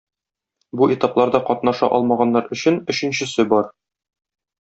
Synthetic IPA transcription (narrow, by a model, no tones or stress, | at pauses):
buʔet̪ɑplˠɑɾd̪ɑqɒt̪nɑʃɑ̰ʔɒlˠmɑʁɑnːɑɾɵ̆ɕɘnɵ̆ɕɘ̆nɕɘ̆sɘbɒɾ